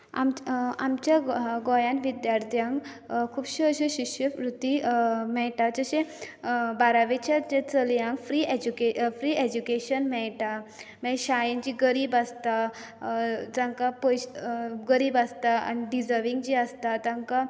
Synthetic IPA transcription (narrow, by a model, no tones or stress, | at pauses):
a̰mamt͡ɕjaɡɔjãnʋid̪jaɾt̪ʰjãŋɡ | kʰuːbɕiəɕeɕiɕjəpɾut̪imɛɭʈad͡zəɕẽ | baɾaʋet͡ɕat͡ɕẽt͡səljãŋɡfɾiːed͡ʑukefɾied͡ʑukeɕənmɛɭʈamɛ̃ɕajind͡ʑiɡəɾiːbast̪a | d͡zãŋkapojɕɡəɾiːbast̪aa̰niɖid͡zəɾʋiŋɡd͡ʑiəst̪at̪ãŋka